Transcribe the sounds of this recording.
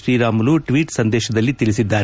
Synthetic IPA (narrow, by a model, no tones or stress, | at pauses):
ʃɾiːɾaːmɐluʈʋiːʈsɐnd̪ɛːʃɐd̪ɐlːit̪ilisid̪ːaːɾ